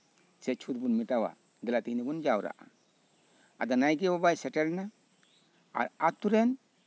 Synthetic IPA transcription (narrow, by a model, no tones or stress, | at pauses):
sɛt͡ʃʰut̪bunmiʈawa̰ | d̪ɛlat̪iɦnibund͡ʒawɾa̰ʔa̰ | a̰d̪ɔnajɡɛbɔbajsɛʈɛɾna | a̰ɾat̚t̪uɾɛn